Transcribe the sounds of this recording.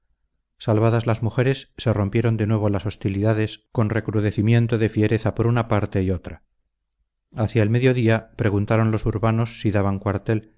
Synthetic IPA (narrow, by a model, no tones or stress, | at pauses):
salβaðazlazmuxe̞ɾe̞sːe̞ro̞mpje̞ɾo̞nd̪enwe̞β̞o̞laso̞st̪iliðaðe̞sko̞nre̞kɾuðe̞θimje̞nt̪oðe̞fje̞ɾe̞θapo̞ɾunapaɾt̪e̞io̞t̪ɾa | aθjaelme̞ðjo̞ðiapɾe̞ɣ̞unt̪aɾo̞nlo̞suɾβano̞sːiðaβaŋkwaɾt̪e̞l